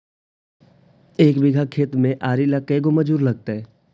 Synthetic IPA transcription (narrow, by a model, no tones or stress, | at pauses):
eːkbɪɡʱakʰeːt̪mẽʔaːɾilakːəeɡoməd͡ʒuːɾlɐɡ̚t̪aɦɛː